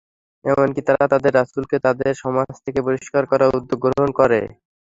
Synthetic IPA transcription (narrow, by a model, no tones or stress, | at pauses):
ɛmonkit̪aɾat̪ad̪eɾːasulket̪ad̪eɾʃɔmad͡ʑt̪ʰekepoɾiʃkaɾkɔɾaud̪ːoɡɡɾoɦonkɔɾḛ